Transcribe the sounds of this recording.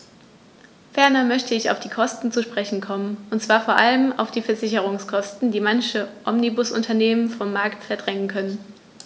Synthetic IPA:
fɛɐnɐmœçtəɪça̰ʊfd̥iːkʰɔstn̩t͡suʃpʁ̥ɛçn̩kʰɔmənʔʊntt͡sv̥aːɐfoːɐʔaləma̰ʊfd̥iːfɛɐzɪçəʁ̞ʊŋskʰɔstn̩d̥iːmançəʔɔmnibʊsʔʊ̰ntʰɐneːmənfɔmːaɐktfɛɐdʁɛŋənkʰœnən

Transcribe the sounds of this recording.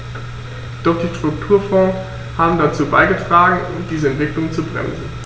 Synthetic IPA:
d̥ɔχd̥iːʃtʁ̥ʊktʰuːɐfɔːs | haːbm̩dat͡suːbaɪɡətʁ̥aːɡŋ̩ʊ̰md̥iːzəɛntv̥ɪklʊŋt͡subʁɛ̰mzn̩

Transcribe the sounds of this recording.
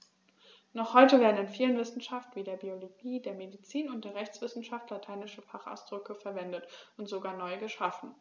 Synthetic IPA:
nɔχhɔʏtəveːɐdn̩ɪnfiːlənvɪsn̩ʃaftv̥iːdeːɐbioloɡiːdeːɐmedit͡siːnʊntd̥eːɐʁɛçt͡sv̥ɪsn̩ʃaftlatʰaɪnɪʃəfaχa̰ʊsd̥ʁʏkəfɛɐvɛndətʊntz̥oɡaːɐnɔʏɡəʃafn̩

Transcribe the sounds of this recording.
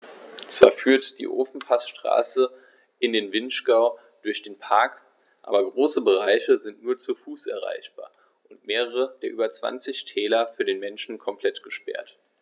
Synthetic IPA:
t͡sv̥a̰ːɐfyːɐtd̥ḭːʔoːfn̩pʰasʃtʁ̥a̰ːsə | ʔɪndeːnvɪnʃɡ̥aʊ | d̥ʊɐçd̥eːnpʰaɐk | ʔa̰ːbɐɡʁoːsəbəʁ̞aɪçəzɪntnuːɐt͡sufuːsʔɛ̰ɐʁ̞a̰ɪçb̥a̰ːɐ | ʔʊntmeːʁəʁəd̥eːɐʔyːbɐt͡sv̥a̰nt͡sɪçtʰɛːlɐfyːɐɾeːnmɛnʃn̩kʰɔmpʰl̥ɛtɡ̥əʃpɛ̰ɐt

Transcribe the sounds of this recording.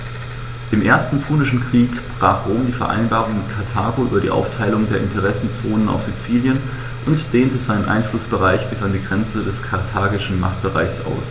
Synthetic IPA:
d̥eːmʔeːɐstn̩fuːnɪʃn̩kʁ̥iːkb̥ʁ̥aːχʁ̥oːmdiːfɛɐʔa̰ɪnbaːʁʊŋmɪtkʰaɐtʰaːɡoʔy̰ːbɐɾḭːʔa̰ʊftʰaɪlʊŋdeːɐʔɪntʰəʁ̞ɛsn̩t͡soːnəna̰ʊfz̥it͡siːljən | ʔʊntd̥eːntəzaɪnənʔa̰ɪnflʊsb̥əʁaɪçb̥ɪsandiːɡʁɛnt͡sədɛskʰaɐtʰaːɡɪʃn̩ma̰χt̚b̥əʁa̰ɪçsʔa̰ʊs

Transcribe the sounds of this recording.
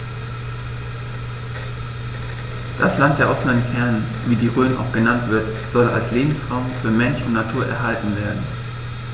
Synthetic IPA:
d̥aslant̚d̥eːɐʔɔfənənfɛɐnn | viːdiːʁøːnʔa̰ʊxɡ̥ənantv̥ɪɐtz̥ɔla̰lsleːbm̩sʁaʊmfyːɐmɛnʃʊntnatʰuːɐʔɛ̰ɐɦaltn̩veːɐdn̩

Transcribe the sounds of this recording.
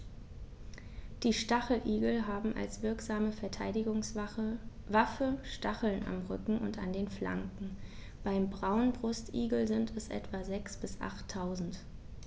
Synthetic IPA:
d̥iːʃtaχl̩ʔiːɡl̩ɦaːbm̩ʔa̰lsv̥ɪɐkz̥aːməfɛɐtʰaɪdɪɡʊŋ | vafəʃtaχl̩na̰mʁʏkŋ̩ʔʊ̰nta̰ndeːnfla̰ŋkŋ̩ | b̥aɪmbʁaʊnbʁʊstʔḭːɡl̩zɪntʰɛsʔɛ̰tv̥azɛksb̥ɪsʔa̰χtʰːaʊzn̩t

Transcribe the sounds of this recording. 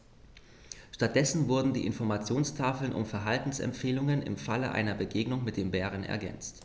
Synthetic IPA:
ʃtat̚d̥ɛsn̩vʊɐdn̩dḭːʔɪnfɔɐmat͡sjoːnstʰaːfl̩nʔʊ̰mfɛɐɦaltn̩sɛ̰mpfeːlʊŋənɪ̰mfaləʔa̰ɪnɐbəɡeːɡnʊŋmɪt̚d̥eːmbɛːʁ̞ənɛ̰ɐɡɛ̰nt͡st

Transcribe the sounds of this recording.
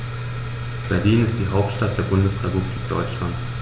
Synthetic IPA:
b̥ɛɐliːnɪst̚d̥iːɦaʊp̚tʃtat̚d̥eːɐbʊndəsʁɛpubliːk̚d̥ɔ̰ʏt͡ʃlant

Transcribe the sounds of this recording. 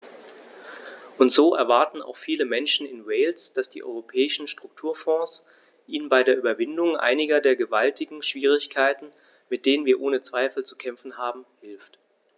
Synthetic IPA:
ʔʊntz̥oːʔɛɐvaɐtn̩a̰ʊxfiːləmɛnʃn̩ɪnwɛɪlsd̥asd̥ḭːʔɔ̰ʏʁopʰɛːɪʃn̩ʃtʁ̥ʊk̚tʰuːɐfɔ̃ːs | ʔiːnənbaɪdeːɐʔyːbɐvɪndʊŋʔa̰ɪnɪɡɐdeːɐɡəvaltɪɡŋ̩ʃv̥iːʁ̞ɪçkʰaɪtn̩ | mɪt̚d̥eːnənviːɐʔoːnət͡sv̥aɪfl̩t͡su̥kʰɛmfn̩haːbm̩hɪlft

